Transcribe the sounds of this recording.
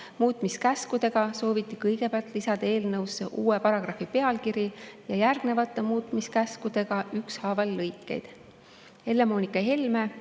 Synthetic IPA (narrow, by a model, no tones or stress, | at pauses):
muːt̪ˑmiskæskud̪̥e̞ɡ̥ɑso̞ːvit̪ːˑikɤjɡ̥e̞peɑlt̪ˑlisɑd̪̥ɑe̞ːlnɤwsːeʔuːepɑɾɑɡ̥rɑfipe̞ɑlkiɾijɑjærɡ̥ne̞vɑt̪ːˑemuːt̪ːˑmiskæskud̪̥e̞ɡ̥ɑykshɑːvɑlːɤjkːˑe̞̰jd̪̥ | he̞lːe̞moːnikːˑɑɦelme